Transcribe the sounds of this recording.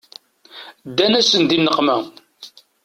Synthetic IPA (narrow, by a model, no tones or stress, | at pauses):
d̪ːænæsənd̪inːəqmæ